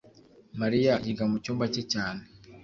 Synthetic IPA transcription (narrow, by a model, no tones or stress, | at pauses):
maɾijajiɡamucuːmbacecaːne